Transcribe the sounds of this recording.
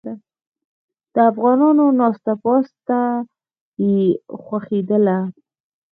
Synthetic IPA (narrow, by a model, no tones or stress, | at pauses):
a | d̪̥əafɣɑnɑnonɑst̪apɑst̪a | jexwaxed̪əla